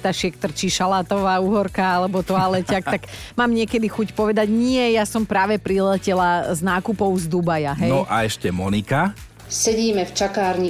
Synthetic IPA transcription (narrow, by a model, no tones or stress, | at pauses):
t̪aʃɪɛkt̪r̩t͡ʃiʃalat̪ɔʋaːuːɦɔɾkaalɛbɔt̪ɔalɛcakt̪aɡmaːmɲɪɛkɛd̪ixucpɔʋɛd̪aɟɲɪɛjasɔmpɾaːʋɛpɾilɛcɛlaznaːkupɔʊzd̪ubajaɦɛnɔʔa̰ɛʃcɛmɔnika | sɛɟiːmɛft͡ʃakaːɾɲi